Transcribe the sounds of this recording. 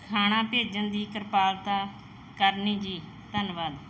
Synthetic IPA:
kʰaːɽ̃ãːpeːd͡ʒənd̪iːkəɾpaːlt̪aː | kəɾniːd͡ʒiː | t̪ənʋaːd̪

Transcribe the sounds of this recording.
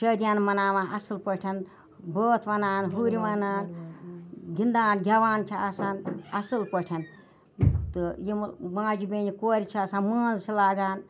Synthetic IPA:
ʃəːd̪ʲjaːnmɐnaːʋãːɐsɨlpɐʈʲʰɐn | boːt̪ʰʋɐnaːnɦuːɾʲiʋɐnaːn | ɡind̪aːnɡʲɐʋaːnt͡ʃʰiasaːnɐsɨlpɐʈʲʰɐn | t̪ɨjimmãːd͡ʒibeːnikoːɾʲit͡ʃʰiaːsãːnməːnzt͡ʃʰilaːɡaːn

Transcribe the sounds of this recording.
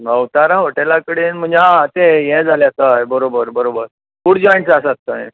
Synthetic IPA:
əwt̪aɾãɦoʈelakəɽeːnm̤əɲd͡ʑãt̪ejɛ̃d͡zʱaljat͡sajbəɾobəɾbəɾobəɾ | fuːɽd͡ʑɔjɳʈsasat̪ːəḛ̃

